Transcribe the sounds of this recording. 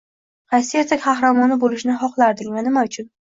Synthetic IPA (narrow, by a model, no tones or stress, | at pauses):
qɑjsɪjeɾsakʲqʰɑhɾamɒnɪbolɪʃnɪɦɒqlˠaɾd̪ɪkʲvanɪmaʊt͡ʃʰʊn